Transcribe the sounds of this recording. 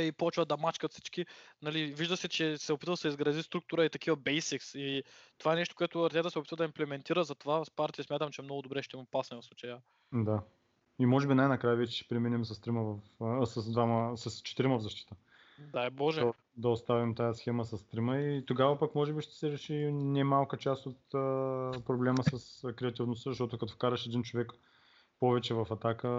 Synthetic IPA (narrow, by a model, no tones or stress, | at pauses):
ipɔt͡ʃvəd̪ɐmat͡ʃkət̪si̥t͡ʃkinɐliviʒd̪əsɛt͡ʃɛsɛopit̪vəsɛizɡɾɐzist̪ɾuk̚t̪ʊɾəit̪ɐkivɐbɛjsiksit̪ovaɛnɛʃt̪o̥koɛt̪ʊɐɾt̪ʲɛt̪əsɛopit̪vəd̪ɐimplɛmɛnt̪iɾəzɐt̪ovaspaɾt̪iəsmʲjat̪əmt͡ʃɛmnɔɡʊd̪obɾɛʃt̪ɛimopasnɛvɐfsˠut͡ʃəjə | d̪a | imɔʒɛbinajnɐkɾajvɛt͡ʃɛ̥ʃɛ̥pɾɛminɛmsɐst̪ɾiməvɐfsɐsd̪vaməsɐst͡ʃɛ̥t̪iɾiməvzɐʃt̪i̥t̪ə | aɛbɔʒɛ | d̪ɐost̪avimt̪ajəsxɛməsɐst̪ɾiməit̪oɡavɐpɐkmɔʒɛbiʃt̪ɛ̥sɛɾɛʃinɛmalˠkət͡ʃast̪ot̪əpɾoblɛməsɐskɾɛɐt̪ivnost̪əzɐʃt̪ɔt̪ʊkɐt̪ofkaɾɐʃɛd̪int͡ʃovɛk | pɔvɛt͡ʃɛvɐfɐt̪akə